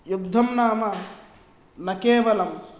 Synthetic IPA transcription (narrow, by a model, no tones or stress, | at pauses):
juɡd̪ʱɐmnaːmɐ | nɐkeːʋɐlɐm